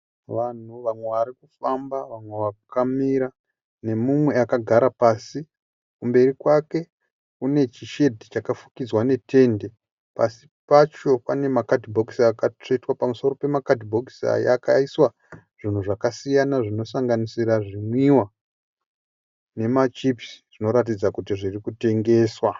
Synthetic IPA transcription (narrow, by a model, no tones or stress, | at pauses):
ʋan̤uʋamwe̞ʋaɾikufambaʋamwe̞ʋakkamiɾa | ne̞mumwe̞akaɡʱaɾapasi | kumbe̞ɾikwake̞ | kune̞t͡ʃiʃe̞dʱit͡ʃakafukid͡zwane̞tʰe̞ːnde̞ | pasi̥pat͡ʃo̞pane̞makadibʱo̞ksakat͡ʂe̞twapamuso̞ro̞pe̞makadʱibʱo̞ksa̰ja̰kaiswa | ʐ̥in̤uʐakasijanaʐino̞saŋɡanisiɾaʐimwiwa | ne̞mat͡ʃipsi̥ʐ̥ino̞ɾat̬id͡zakut̬iʐirikute̞ŋɡe̞ːswa